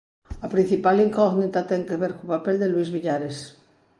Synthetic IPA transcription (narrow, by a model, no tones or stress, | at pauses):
apɾĩn̟θipaliŋkɔɣnit̪at̪ɛŋkeβeɾkopapeld̪elwizβiʎaɾes